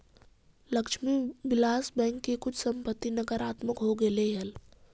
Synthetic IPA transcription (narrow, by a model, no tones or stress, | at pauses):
lɐkʃmiʋɪlaːsbɛ̃ːŋkːekʊt͡ʃʰsɐ̃mpət̪ːinɐɡəɾaːt̪məkɦoɡɐleɦɐl